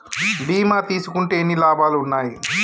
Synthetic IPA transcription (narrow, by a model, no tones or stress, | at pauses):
ɖiːmaːt̪iːsukuɳʈe̞ːnilaːbaːluunːaːji